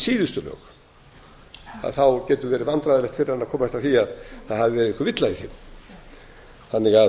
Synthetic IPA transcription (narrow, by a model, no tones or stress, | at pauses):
siːðʏst̪ʏlœ̰ːx | a̰θawcɛːt̪ʏvɛːɾɪvant̪ɾaðɪlɛht̪fɪɾɪɾhanːakʰɔːmaɛst̪aθiaðθaðhavɪvɛːɾɪðɪhkʏɾvɪt̪laiçɛ̰ɾ | θanːɪɣað